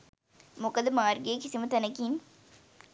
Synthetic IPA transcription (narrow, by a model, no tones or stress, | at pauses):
mokɐd̪ɐmaːɾɡeːkisimɐt̪ɐnɐkiːn